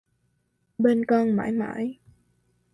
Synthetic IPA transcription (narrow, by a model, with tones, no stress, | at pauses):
ɓe˧nkɔ˧nma̰ː˧˥jma̰ː˧˥˦j